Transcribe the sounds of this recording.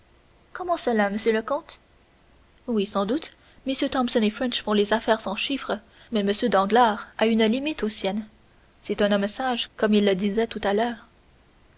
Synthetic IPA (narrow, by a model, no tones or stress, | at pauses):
kɔmɑ̃səlaməsjøləkɔ̃t̪ | wisɑ̃d̪ut̪ | məsjøt̪ɑ̃msɔnefʁɛ̃nʃfɔ̃lezafɛʁsɑ̃ʃifχə | mɛməsjød̪ɑ̃ɡlaʁaynəlimit̪osjɛn | sɛt̪ɛ̃nɔmsaʒkɔmilːəd̪izɛt̪ut̪alœːʁ